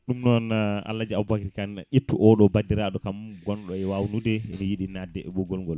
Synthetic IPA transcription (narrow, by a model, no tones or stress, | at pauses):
ɗumnɔna̰lːad͡ʒiabakɾikanʔitːuʔɔɗɔbadiɾaɗɔkamɡɔnɗɔɛwawnudɛɛnijiɗinadːɛɛɓɔɡɔlŋɡɔl